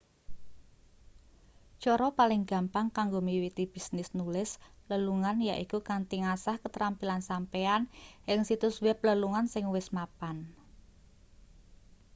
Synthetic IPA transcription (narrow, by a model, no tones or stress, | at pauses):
t͡ʃɔɾɔpalɪŋɡä̤mpaŋkaŋɡomiwit̪ib̥i̤snɪsnulɪsləluŋanjaʔikukant̪iŋasahkət̪ɾampilansampeanɪŋsit̪ʊswɛp̚ləluŋansɪŋwɪsmapan